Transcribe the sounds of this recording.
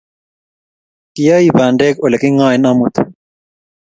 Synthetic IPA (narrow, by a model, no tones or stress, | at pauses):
kijaːibaːɳɖeːkolekiŋãːinɐmut̪